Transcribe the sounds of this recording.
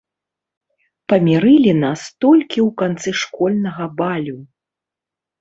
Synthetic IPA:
pɐmʲɛɾɨlʲinast̪ɔlʲkʲiwkant̪sɨʂkɔlʲnɐɣɐbalʲu

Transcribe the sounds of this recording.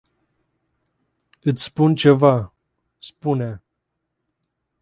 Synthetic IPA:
ɨt̪sʲspunt͡ʃe̞va | spunea

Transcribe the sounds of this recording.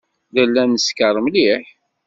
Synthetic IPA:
ðəlːænːəskəɾˤəmliħ

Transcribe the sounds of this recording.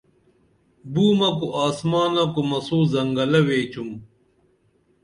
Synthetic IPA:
buːmɐkuʔaːsmaːnɐkumɐsoːzɐŋɡɐlɐweːt͡ɕum

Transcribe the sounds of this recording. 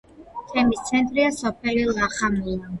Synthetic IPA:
t̪ʰɛmist̪sʰɛnt̪ʼɾiasɔpʰɛlilˠaχamula

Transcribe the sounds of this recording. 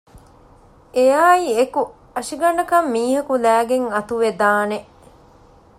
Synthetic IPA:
ejaːieku | ɐʂiɡɐɳɖɐkɐmːiːɦɐkulæːɡeŋɐt̪uʋed̪aːneʔ

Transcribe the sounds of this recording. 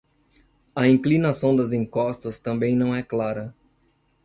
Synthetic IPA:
ɐĩklinasɐ̃w̃d̪ɐzĩŋkɔst̪ɐst̪ɐ̃mbẽj̃nɐ̃w̃ɛklaɾɐ

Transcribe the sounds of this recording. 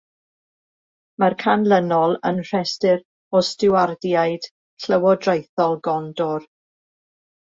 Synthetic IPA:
markʰanlˠənɔlˠənr̥ɛstɪɾ | ɔstɪwardjajd̥ | ɬəwɔdrajθɔlˠɡɔndɔr

